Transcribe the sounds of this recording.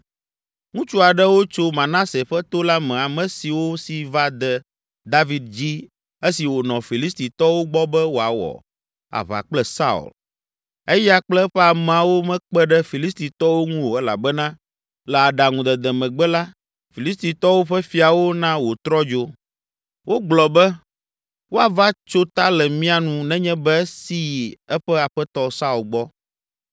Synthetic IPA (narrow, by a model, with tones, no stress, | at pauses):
ŋũ˦t͡ʃu˦a˨ɖɛ˦wo˦t͡ʃo˦mã˨nã˦se˨ɸɛ˦t̪o˦la˦mɛ̃˨a˨mɛ̃˨si˨wo˦si˨va˦d̪ɛ˨ | d̪a˦vi˦d̪̚d͡ʑi˦ | e˦si˨wo˨nɔ̃˨fi˨li˦st̪i˨t̪ɔ˦wo˦ɡ͡bɔ˦bɛ˦wo˨a˨wɔ̰˨ | a̰˨βa̰˨k͡plɛ˦sa̰˦ṵ˨l | ɛ˦ja˦k͡plɛ˦ɸɛ˦a˨mɛ̃˨a˨wo˦mɛ̃˦k͡pɛ˦ɖɛ˦fi˨li˦st̪i˨t̪ɔ˦wo˦ŋũ˦wo˨ɛ˦la̰˨bɛ˦nã˦ | lɛ˨a˨ɖa˨ŋũ˨d̪ɛ˨d̪ɛ˨mɛ̃˨ɡ͡bɛ˦la˦ | fi˨li˦st̪i˨t̪ɔ˦wo˦ɸɛ˦fi˨a˨wo˦nã˦wo˨t̪ɾɔ˦d͡ʒo˦ | wo˦ɡ͡blɔ˨bɛ˦ | wo˦a˨va˦t͡ʃo˦t̪a˦lɛ˨mĩ˦a˨nũ˨nɛ̃˦ɲɛ̃˦bɛ˦si˦ji˨ɛ˦ɸɛ˦a˨ɸɛ˦t̪ɔ˦sa˦u˨lɡ͡bɔ˦